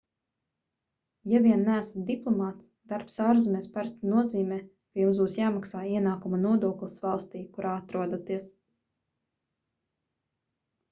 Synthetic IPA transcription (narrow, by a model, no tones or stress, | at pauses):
javiɛnːæːsat̪d̪iplˠɔmaːt̪sd̪̥aɾpsaːɾzmʲɛːspaɾst̪inuɔziːmʲɛː | kajumsbuːsjaːmaksaːiɛnaːkumunuɔd̪uɔklʲˠisvalˠst̪iːkuɾʔaːat̪ɾuɔd̪at̪iɛs